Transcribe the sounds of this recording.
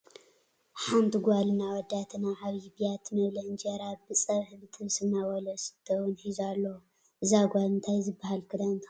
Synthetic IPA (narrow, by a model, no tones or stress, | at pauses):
ħant̪ʰɨɡʷalɨnawɔd̪ːat̪ʰɨnaʕaβjibijat̪ʰmɐβlɐɨnd͡ʒɐɾabɨt͡sʼɐɾħbɨt̪ʰɨβsɨmnawɔlɐsɨ̥t̪ʰːɐwɨnħizalːowu | ʔɨzaɡʷalɨnt̪ʰajzɨbːahalkʰɨd̪ant̪